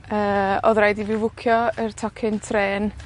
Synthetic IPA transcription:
əːɔ̰ðɾajdivɪwvʊkʰjɔərtʰɔkʰɪntʰreːn

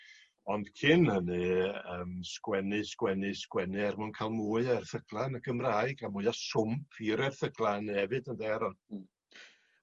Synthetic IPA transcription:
ɔnd̥kʰɪnhənɨəːmskwɛnɨskwɛnɨskwɛnɨɛrmɔnkʰalˠmuːɨarθəɡ̥lˠanəɡəmraːɨɡamʊɨasʊmpʰiɾɛrθəɡlˠanɛvɨdəndɛɾɔn

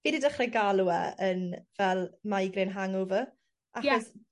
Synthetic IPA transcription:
viːdidəχrɛɡalˠuɛ̰ənvɛlˠmajɡrɪnɦaŋʊvə | ajɔs

